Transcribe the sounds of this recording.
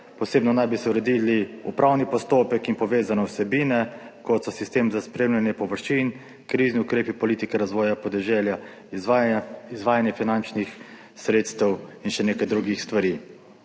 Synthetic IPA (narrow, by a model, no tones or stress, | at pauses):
pɔseːbnɔnajbisɛuɾɛd̪iliṵpɾʔawnipɔst̪oːpɛkinpɔʋeːzanɔwsɛbiːnɛkɔt̪sɔsist̪eːmzaspɾeːmlʲjanjɛpɔʋəɾʃin | kɾiːzniukɾeːpipɔliːt̪ikɛɾazʋɔːjapɔd̪ɛʒɛlja | izʋaːjanjɛfinant͡ʃnix | sɾeːt̪st̪ɛwinʃɛneːkajd̪ɾuɡixst̪ʋaɾi